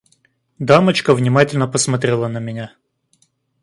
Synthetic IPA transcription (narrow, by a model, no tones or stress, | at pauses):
d̪amət͡ɕkəvnʲɪmatʲɪlʲnəpəsmɐt̪ɾʲelˠənəmʲɪnʲa